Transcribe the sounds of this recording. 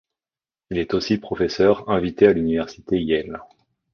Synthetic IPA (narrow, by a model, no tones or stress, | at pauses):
ilɛt̪osipχɔfɛsœʁɛ̃vit̪ealynivɛʁsi̥t̪ejɛl